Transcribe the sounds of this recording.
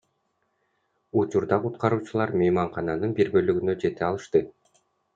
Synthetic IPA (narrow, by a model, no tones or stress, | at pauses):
ut͡ʃuɾd̪ɑqut̪qɑɾuːt͡ʃulˠɑɾmejmɑɴqɑnɑnɯnbiɾbø̞lyɡynø̞d͡ʒe̞t̪eɑlˠɯʃt̪ɯ